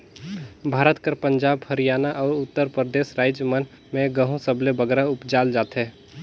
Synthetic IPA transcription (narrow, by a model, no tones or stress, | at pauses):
bʱaːɾət̪kəɾpə̃ɲd͡ʒaːbhəɾijaːnaʔɔːɾʊt̪ːəɾpɾəd̪eːsɾaːɪd͡ʒjəmən | mẽɡəɦũsəblebəɡɾaʊpd͡ʒaːld͡ʒaːt̪ɦɛː